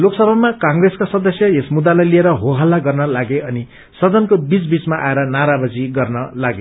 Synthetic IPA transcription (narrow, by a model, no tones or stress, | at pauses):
loksʌbʱamakãŋreskasʌd̪ʌsjʌjesmud̪alajlieɾʌɦoɦalːaɡʌrnʌlaɡeʌni | sʌd̪ʌnkobit͡sbit͡smaʔa̰eɾʌnaɾabʌd͡ziɡʌrnʌlaɡe